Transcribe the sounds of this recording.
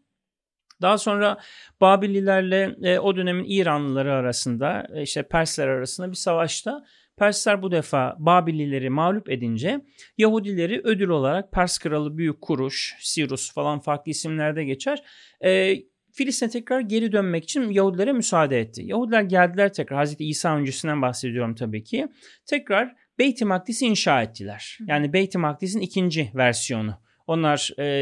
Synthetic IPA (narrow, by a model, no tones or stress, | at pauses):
d̪̥aɦaso̞nɾab̥aːbilʲːilʲæɾlʲɛo̞d̪ø̞ne̞minʔiːɾanlˠɯlˠaɾɯaɾasɯnd̪a̰iʃt̪ʰɛpʰæɾslʲæɾaɾasɯnd̪abisavaʃt̪ʰa | pʰæɾslʲæɾbud̪efaːbaːbilʲːilʲe̞ɾimaːlʲupe̞d̪ind͡ʒɛjaɦud̪ilʲe̞ɾiʔø̞d̪ylʲo̞lˠaɾak̚pʰæɾskʰɯɾalˠɯbyjycʰːuɾuʃsiɾusfalˠanfaɾklˠɯisimlʲæɾd̪ɛɟe̞t͡ʃʰæɾ̥ | ɛː | filʲist̪inɛt̪ʰɛcɾaɾɟe̞ɾid̪ønmɛci̥t͡ʃʰinjaɦud̪ilʲeɾɛmysaːd̪ɛɛt̪ʰːḭjaɦhud̪ilʲæɾɟælʲd̪ilʲæɾt̪ʰɛcɾaɾhazɾet̪ʰɛiːsaːø̞nd͡ʒesind̪ænbaxse̞d̪ijo̞ɾumt̪ʰabiːcʰi | t̪ʰɛcɾaɾ̥ | bejt̪ʰimak̚t̪ʰisiːnʃaːɛt̪ʰːilʲæɾ̥jaːnibejt̪ʰimakt̪is̬inicʰind͡ʒivæɾsijo̞nʊ | o̞nlˠaɾ̥ː